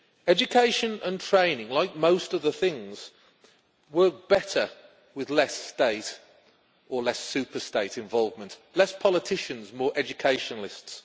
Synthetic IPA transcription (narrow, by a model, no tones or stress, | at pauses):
ɛd͡ʒɨkʰeɪʃə̃nə̰̃ntʰɹ̥ẽɪ̃nɪ̃ŋlaɪk̚moʊstʌvðəθɪ̃ŋz̥ | wɜˑ˞k̚b̥ɛtə | wɪðlɛsteɪt | əlɛsʉˑpəsteɪtɪ̃ɱvɒlˠvmə̃nʔlɛspʰɒlɪtʰɪʃə̃nzmɔːɹʔɛd͡ʒɨkʰeɪʃə̃nl̩ɪsts